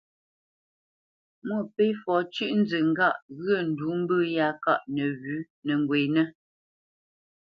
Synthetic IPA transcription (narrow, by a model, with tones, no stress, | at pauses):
mwə˦˨pe˦fɔ˨˦t͡ʃʉ˦ʔn̩˦d͡zə˨ŋ̩˦ɡa˦˨ʔɣɰə˦˨n̩˨du˨˦m̩˦bə˦ja˨˦ka˦˨ʔnɛ˨ɣʉ˨˦ | nə˨ŋ˨ɡwe˨nɛ˦